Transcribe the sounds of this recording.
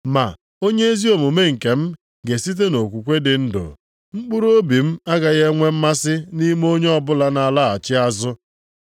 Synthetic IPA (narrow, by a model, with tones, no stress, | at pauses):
ma˨ | o˦ɲe˦e˦zi˦o˨mu˨me˦ŋ̩˨ke˨m̩˦ | ɡe˨si˦t̬e˦no˨kʷu˨kʷe˦dɪ˨n̩˦dʊ̰˨ | ŋ͡m̩˦k͡pu˦ɾo˦bi˨m̩˦a˦ɡa˨ɣe˦ŋʷe˦m̩˦ma˦sɪ˦ni˦m˦o˦ɲe˦ɔ˦bʊ˦la˦na˨la˦˨a˨t͡ʃɪ˦a˦zʊ˦